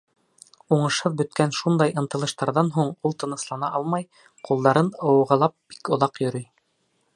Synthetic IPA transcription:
uɴɤ̆ʃhɤðbɵ̆t̪kænʃund̪ɑjʔɤ̆nt̪ɤ̆lˠɤ̆ʃt̪ɑɾðɑnɦuɴulˠt̪ɤ̆nɤ̆slˠɑnɑʔɑlˠmɑj | qulˠd̪ɑɾɤnɤ̆wɤ̆ʁɤ̆lˠɑp̚b̥i̥kŏðɑqjɵ̆ɾɵj

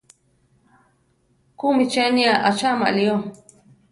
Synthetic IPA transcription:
kumit͡ʃeniaʔat͡ʃama̰ʔlio

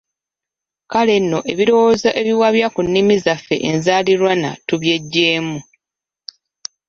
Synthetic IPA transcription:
kale̞nːo̞ʔe̞βiɾo̞wozaʔeβiwaβjakunːimizafːe̞̰ʔenzaːliɾwana̰tuβje̞ɟːeːmu

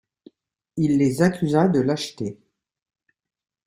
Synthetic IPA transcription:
ilːezakʲyzad̪əlaʃt̪e

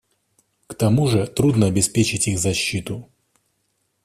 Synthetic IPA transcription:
kt̪ɐmuʐɨt̪ɾud̪nəɐbʲɪspʲet͡ɕɪtʲixzɐɕːit̪ʊ

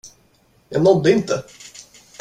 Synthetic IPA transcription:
jɑɡnɔd̪ːəɪnt̪ə

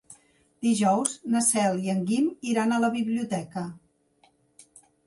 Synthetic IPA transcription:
d̪iʒɔwznəsɛlˠiəŋɡimiɾanələβiβliut̪ɛkə

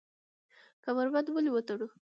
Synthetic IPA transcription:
kamaɾbad̪wəlewət̪aɽu

